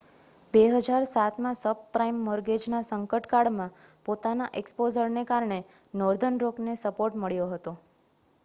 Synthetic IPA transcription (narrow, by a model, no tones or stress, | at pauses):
beɦəd͡ʒaɾsat̪ʰmãsəbpɾaimːɔɾɡed͡ʒnasəŋkəʈkaɽmãpot̪anaʔekspod͡ʒəɾnekaɾɳe | nɔɾd̪ʱənɾoknesəpoɾʈməɭjoɦət̪o